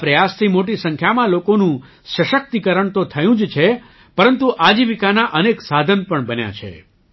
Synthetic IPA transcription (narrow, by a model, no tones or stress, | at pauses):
pɾəjast̪ʰimoʈ̬isə̃ŋkʰjamãlokonũ | səʃək̚t̪ikəɾəɳt̪ot̪ʰəjũd͡ʒt͡ʃʰe | pəɾənt̪uʔad͡ʒiʋikanaʔəneksad̪ʱənpəɳbənja̰t͡ʃʰḛ